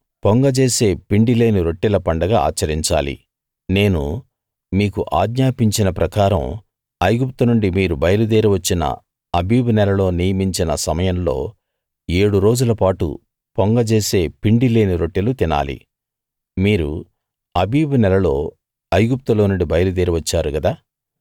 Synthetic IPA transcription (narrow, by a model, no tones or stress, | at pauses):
poŋɡɐt͡ʃe̞ːse̞ːpiɳɖile̞ːniɾo̞ʈːilɐpɐɳɖɐɡaa̰ːt͡ʃːɐɾiɲt͡ʃa̰ːlḭ | ne̞ːnṵ | miːkuʔaːd̪ɲaːpiɲt͡ʃinɐpɾɐkaːɾɐ̰m | ɐjɡup̚t̪ɐnuɳɖimiːɾubɐjɐlud̪eːɾiʋɐt͡ʃːinɐ̰ | ɐbiːbunɛlɐlo̞ːnijɐmiɲt͡ʃinɐsɐmɐjɐmlo̞̰ː | eːɽuɾo̞ːd͡ʒulɐpaːʈṵ | poŋɡɐt͡ʃe̞ːse̞ːpiɳɖile̞ːniɾo̞ʈːilut̪ina̰ːlḭ | miːɾu | ɐbʱiːbunɛlɐlo̞ː | ɐjɡup̚t̪ulo̞ːnuɳɖibɐjɐlud̪eːɾiʋɐt͡ʃːaːɾuɡɐd̪aː